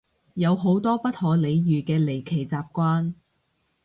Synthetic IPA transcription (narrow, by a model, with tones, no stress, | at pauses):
jɐ˨˧wɦo˨˥wt̪ɔː˥pɐ˥t̚hɔː˨˧le˨˧jjyː˨kɛː˧le˨˩jkʰe˨˩jt͡saː˧p̚kʷaː˥n